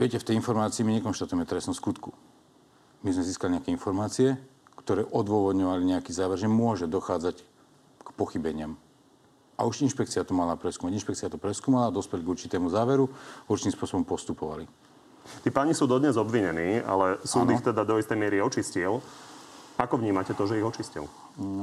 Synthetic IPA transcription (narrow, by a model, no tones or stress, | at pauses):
ʋɪɛcɛft̪ɛjinfɔɾmaːt͡siːmiɲɛkɔnʃt̪at̪ujɛmɛt̪ɾɛsnɔskut̪ku | mizmɛziːskaliɲɛakɛinfɔɾmaːt͡siɛkt̪ɔɾɛːʔɔd̪ʋɔʋɔd̪ɲɔʋaliɲɛakiːzaːʋɛɾʒɛmʊɔʒɛd̪ɔxaːd͡zac | kpɔxibɛɲɪam | a̰uʃinʃpɛkt͡siɪat̪ɔmalapɾɛskuːmaɟinʃpɛkt͡siat̪ɔpɾɛskuːmalad̪ɔspɛlɡuɾt͡ʃit̪ɛːmuzaːʋɛɾuuɾt͡ʃit̪imspʊɔsɔbɔmpɔst̪upɔʋa̰li | t̪iːpaːɲisuːd̪ɔd̪ɲɛzɔbʋiɲɛniːa̰lɛsuːnd̪ixt̪ɛd̪ad̪ɔist̪ɛjmɪɛɾiɔt͡ʃiscil | akɔvɲiːmacɛt̪ɔʒɛiɣɔt͡ʃiscḭl